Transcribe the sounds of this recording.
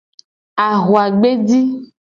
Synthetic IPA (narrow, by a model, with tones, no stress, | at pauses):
a˨ɣo˨a˨ɡ͡be˦di˦